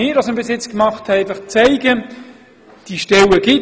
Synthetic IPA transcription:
ɪːɾɑsɪmbɪsɪt͡skmɑχthɛɛɪfɑχt͡sæɪɡə | d̥iʃtɛləɡ̥ɪ

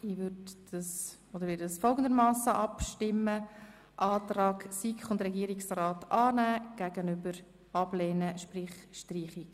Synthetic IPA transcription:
iʋʏddɑs | od̥̪əɾʋɪːdd̥sfɔlˠɡən̩d̪əɾmɑːsəʔɑpʃtɪmːə | ʔɑːtɾɑːɡsikχʊndrɛɡiːɾiksrɑːtɑːnæːɡ̥æɡ̥ənʏbəɾ | ɑb̥lɛːnəʃprɪχʃtriːχɪk

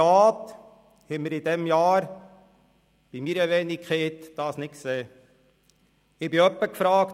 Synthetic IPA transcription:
aːt | hɛməɾɪdɛmjɑːɾ | b̥imiːɾəʋeːnikχeːt̪d̥ɑːsnɪtkseː | ɪbɪœpːəkfɾɑːkt

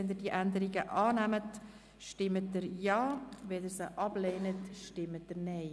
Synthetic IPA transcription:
ɛnd̪əd̥iəʔændəɾiɡəʔɑːnæmət | ʃtɪmːət̚dəɾjɑːʋɛdəɾsəʔɑb̥leːnətʃtɪmːət̚dəɾneɪ

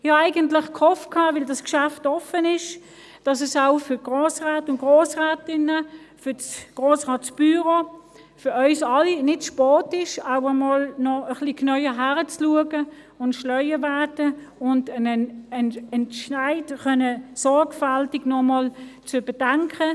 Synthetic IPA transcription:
jɪaɪɡəntlɪχkʰhɔfkʰhɑːvɪldɑskʃæftɔfənɪʃ | d̥ɑsɛsaʊfʏɐɡ̥ʁoːsʁaːtʊntɡ̥ʁoːsʁɛːtɪnə | fʏɐsɡ̥ʁoːsʁaːtsb̥yʁo | fʏœʏsɑlinɪtʃpɔːtɪʃaʊəmɔlnɔəχliknœʏəɦæʁət͡sluəɡə | ʊntʃlœʏəvæɐdə | ʊndənnɛntʃaɪdχœnəsɔɐɡfaltɪɡnɔmɔlt͡sʊb̥əd̥aŋkʰə

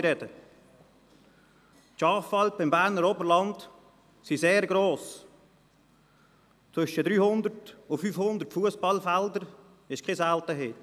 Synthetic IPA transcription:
ɾɛdə | ʃɑːfɑlpɪmbæːɾnəɾɔbəlɑnt | siseːɾɡɾoːs | t͡sʋʏʃədɾyːhʊnd̪əɾtʊfyːfhʊnd̪əɾtfuəsb̥ɑlfældəɾ | ɪʃkʰesæltəɦɪ

